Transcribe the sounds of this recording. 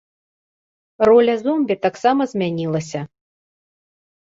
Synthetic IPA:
rɔlʲɐzɔmbʲit̪aksamɐzʲmʲanʲilˠɐsʲɐ

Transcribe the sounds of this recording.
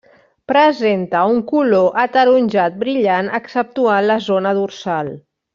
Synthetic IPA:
pɾəzent̪əuŋkuloʔət̪əɾunʲʒat̪̚bɾiʎanəksəp̚t̪uanləzonəðursalˠ

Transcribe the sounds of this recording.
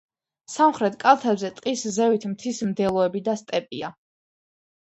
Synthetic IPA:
samχɾɛt̪ʰkʼalˠt̪ʰɛbzɛt̪ʼqʼiszɛvit̪ʰmt̪ʰismd̪ɛlˠɔɛbid̪ast̪ʼɛpʼia

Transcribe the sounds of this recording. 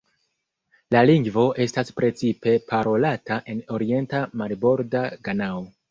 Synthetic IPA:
laliŋɡvo̞ʔe̞staspɾe̞t͡sipe̞pʰaɾo̞lataʔe̞no̞ɾie̞ntamaɾbo̞ɾdaɡanao

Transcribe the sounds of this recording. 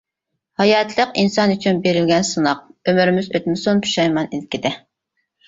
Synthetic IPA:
hɑjɑt̪ʰlˠəqinsɑnyt͡ʃʰynbeɾɪlɡʲɛnsɨnɑq̚ømyɾɪmɪzøt̪mɪsunpʰy̥ʃɑjmɑnilkʲid̪ɪ

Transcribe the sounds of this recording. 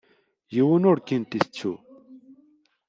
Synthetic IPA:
jiwunoɽkint̪ist͡ɕʰṵ

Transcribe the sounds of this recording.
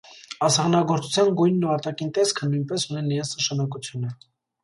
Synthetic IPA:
ɑsɑʁnɑɡɔɾt͡sʰu̥t͡sʰjɑnɡujnːəpɑt̪ɑkint̪ɛskʰənujnpɛsuninəjɑnt͡sʰnəʃɑnɑkut͡sʰjunə

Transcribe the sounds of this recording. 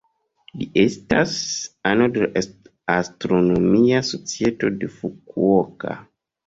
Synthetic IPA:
liʔestasanodel | astɾonomiaso̞t͡sieto̞defukuoka̰

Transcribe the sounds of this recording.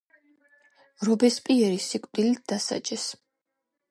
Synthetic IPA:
ɾɔbɛspʼiɛɾisikʷʼd̪ilit̪̚ʰd̪̥asa̰t͡ʃʼɛs

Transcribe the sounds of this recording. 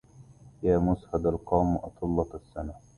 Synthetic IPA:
jaːmʊshad̪alqɑːmʔɑt̪ˤʰɨlːɑsːana

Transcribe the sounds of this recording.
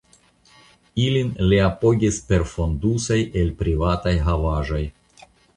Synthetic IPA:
ilinliapo̞ɡʲispe̞ɾfo̞ndusajʔe̞lpɾivatajɦavaʒo̞j

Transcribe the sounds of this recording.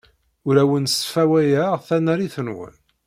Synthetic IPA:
ʊɾæwənsfæwæjæʁθænæɾiθənwə̰n

